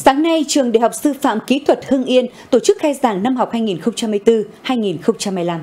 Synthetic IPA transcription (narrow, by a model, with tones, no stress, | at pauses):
saː˨˦ŋna˧jt͡ɕɨ˨˩əɗḛ˧˨ɦa˨˩wk͡p̚sɨ˧fa̰ː˧˨mki˨˦t̪ʰwə˨˩t̚hɨ˧əŋʔi˧ənt̪o˧˩t͡ɕɨ˦˥k̚xaː˧jzaː˧˩ŋna˧mha˨˩wk͡p̚haː˧jŋi˨˩nxə˧wŋ͡mt͡ɕa˧mː˧jt̪ɨ˧haː˧jŋi˨˩nxə˧wŋ͡mt͡ɕa˧mː˧jla˧m